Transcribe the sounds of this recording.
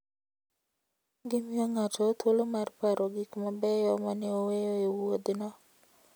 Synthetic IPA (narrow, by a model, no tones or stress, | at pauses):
ɡɪmioŋatʰɔt̪olomarpaɾʔoɡikmabɛjɔmanɪowejoewod̪nɔ